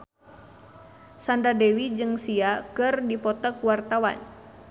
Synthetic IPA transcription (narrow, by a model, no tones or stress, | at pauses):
sandadewid͡ʒɨŋsiakɨrdipɔt̪əkwart̪awa̰n